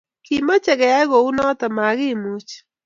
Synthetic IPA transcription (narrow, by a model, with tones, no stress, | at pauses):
kima˦t͡ʃɛ˨ɡɛ˨a˦ɣɔ˨u˦nɔ˦t̪ɔ˨ma˨ɣɪ˦mu˦t͡ʃ